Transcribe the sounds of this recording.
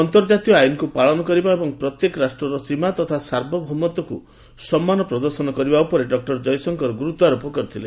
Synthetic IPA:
ɔnt̪ɔɾd͡ʒat̪ijɔajunɔkupaɭɔnɔkɔɾibaebɔŋpɾɔt̪jekɔɾasʈɾɔɾɔsimat̪ɔt̪ʰasaɾbʱɔbʱɔmɔt̪ɔkṵ | sɔmːanɔpɾɔd̪ɔɾsɔnɔkɔɾibaupɔɾeɖɔk̚ʈɔɾd͡ʒɔjsɔŋkɔɾɔɡuɾut̪aɾupɔkɔɾit̪ʰilḛ

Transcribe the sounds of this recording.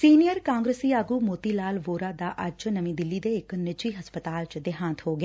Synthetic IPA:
siːnijəɾkãːŋɡɾesiːaːɡuːmoːt̪iːlaːlʋoːɾaːd̪aːʔəd͡ʒnəmĩːd̪ɪlːiːd̪eːɪknɪt͡ʃiːɦəspət̪aːlt͡ʃd̪ɪɦãːt̪hoːɡeː

